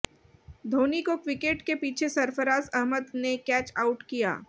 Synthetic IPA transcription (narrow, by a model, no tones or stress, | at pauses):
d̪ʱoːnikokʋɪkeːʈkepiːt͡ʃʰesɐɾfəɾaːzɐɦməd̪nekɛːt͡ʃaːʊʈkija̰ː